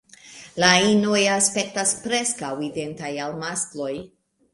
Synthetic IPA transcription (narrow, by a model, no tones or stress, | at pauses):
laino̞jaspe̞k̚taspɾe̞skawide̞ntajalmasklo̞j